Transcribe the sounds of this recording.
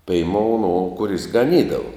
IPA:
pʲɛɪˈmoːʊ noː kʊˈrʲɪs ɡɐˈnʲiːdɐʋʊ

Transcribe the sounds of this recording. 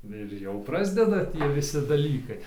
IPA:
ɪr ˈjɛʊ ˈprɑːzʲdʲɛdɐ ˈtʲiɛ ʋʲɪˈsʲɪ dɐˈlʲiːkɐɪ

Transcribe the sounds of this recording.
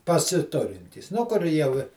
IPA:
pɐsʲɪˈtʊrʲɪnʲtʲiːs ˈnʊ kʊr ˈjɛʊ ɪ

